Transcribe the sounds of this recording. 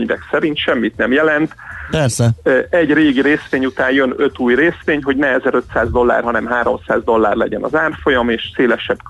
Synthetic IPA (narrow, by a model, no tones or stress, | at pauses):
ɲvɛ̰ksɛɾint̪ʃɛmːit̪nɛmjɛlɛnt̪pɛɾsɛɛɟreːɡiɾeːsʋeːɲut̪aːnjønøt̪uːjreːsʋeːɲɦo̞ɟnɛɛzɛɾø̞t̪saːzd̪o̞lːa̰ːrɦɒnɛmɦaːɾo̞̰msaːzd̪o̞lːaːrlɛ̰ɟɛnɒ̰zaːrfo̞jɒmeːʃseːlɛʃɛbk